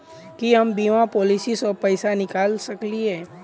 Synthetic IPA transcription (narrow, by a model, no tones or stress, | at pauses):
kiɦɐmbiːmãpɔːlisisɔpəɪsanɪkaːlsəkliɛ̃ː